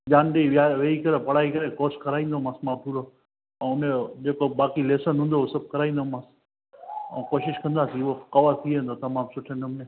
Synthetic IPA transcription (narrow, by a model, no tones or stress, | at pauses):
d͡ʒaːnɗeiʋaʋeːikɐɾepɐɽ̤aːikɐɾẽkoːɾskʰɐɾaːĩːn̆d̪omãːsmãpʰuːɾo | ɛ̃ːʊned͡ʒeːkobaːkileːsənɦũːn̆d̪osɐb̚kɐɾaːĩːn̆d̪omãːs | ɛ̰̃ːkoːʃɪʃkɐ̃nd̪aːsiʊokɐʋat̪ʰiẽːnd̪ot̪ɐmãːmsʊʈʰənəmnẽ